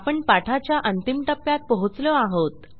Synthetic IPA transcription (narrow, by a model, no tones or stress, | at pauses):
pəɳpaʈʰat͡ɕjaʔənt̪imʈ̪əpːjat̪̚pəɦut͡slɔaɦot̪